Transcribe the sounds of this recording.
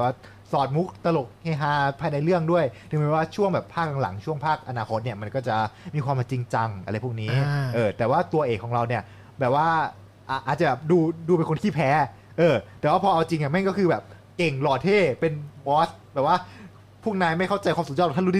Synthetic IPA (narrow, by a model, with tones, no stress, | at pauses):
ɛ˨˩waː˥˩ | sɔː˨˩t̪̚mu˦˥k̚t̪a˧lo˨˩k̚he˧˩ɦaː˧pʰaː˧jna˧jlɯ˥˩əŋdu˥˩əjd̪ɯ˨˧˩mː˧˦˥waː˥˩t͡ɕʰu˥˩əŋbɛː˨˩pʰaː˥˩k̚ːa˧ŋla̰˩˦ŋt͡ɕʰu˥˩əŋpʰaː˥˩k̚ʔa˧naː˧kʰo˦˥t̪̚ni˥˩əma˧nkɔː˥˩t͡ɕa˨˩miː˧kʰwaː˧ma˨˧˩t͡ɕi˧ŋt͡ɕa˧ŋʔa̰˧ɾa˧jpʰu˥˩k̚niː˦˥ʔɤː˧t̪ɛː˨˩waː˥˩t̪u˧ɐʔeː˨˩kʰːɔː˩˦ŋɾa˧wni˥˩ɐ | bɛː˨˩p̚waː˥˩ | ʔa˨˩ʔaː˨˩t̪̚t͡ɕa˨˩bɛː˨˩duː˧duː˧pe˧nkʰo˧nkʰiː˥˩pʰɛː˦˥ | ʔɤː˧t̪ɛː˨˩waː˥˩pʰɔː˧ʔa˧wt͡ɕi˧ŋja˨˩ma˥˩nkɔ˥˩kʰɯː˧bɛː˨˩p̚ | ke˨˩ŋlɔː˨˩t̪ʰeː˥˩pe˧nbɔː˦˥sbɛː˨˩p̚waː˥˩ | pʰu˥˩ŋnaː˧jma˥˩jkʰa˥˩wt͡ɕa˧jkʰwa˧msu˨˩t̚ɔ˥˩˨t̪ʰːuː˦˥i˥